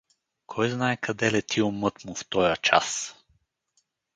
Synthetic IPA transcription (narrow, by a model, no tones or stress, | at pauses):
kʰɔjznaɛkʰɐd̪ɛlɛt̪ʰiomɤt̪muft̪ɔjət͡ʃa̰s